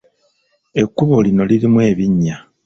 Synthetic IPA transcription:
e̞kːuβo̞lino̞lilimwe̞ːβiɲːa

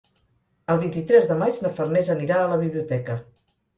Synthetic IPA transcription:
əlˠβint̪it̪ɾɛzðəmat͡ʃnəfərnɛzəniɾaələβ̞iβliut̪ɛkə

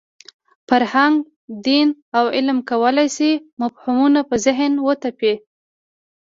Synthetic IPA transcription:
faɾhaŋɡ | d̪inawɪlmkawəlajsimafhumunapəzɪɦnwət̪ape

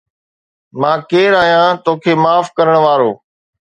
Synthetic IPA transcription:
mãːkeːɾaːɦijãːt̪oːkʰeːmaːfkəɾəɽ̃ʋaːɾoː

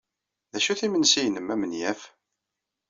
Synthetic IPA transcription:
ðæʃuθimənsijnəmæmənjæf

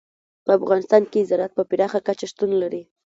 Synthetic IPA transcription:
pəafɣɑnɪst̪ɑnkeːzɑɾat̪̚pəpɪɾɑxakat͡ʃaʂt̪unlaɾi

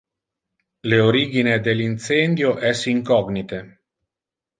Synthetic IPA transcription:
leoɾiːɡined̪elint̪send̪joʔɛsiŋkɔɡnit̪e

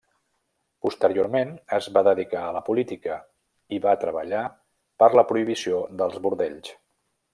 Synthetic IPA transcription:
pust̪əɾioɾmenəzβaðəðikaələpulit̪ikə | iβat̪ɾəβəʎa | pəɾləpɾuiβ̞isiod̪əlˠzβuɾðɛʎs

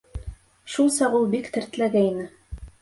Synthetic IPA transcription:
ʃulˠsɑʁulˠbikt̪ɘ̆ɾt̪ɘ̆læɡæinɘ

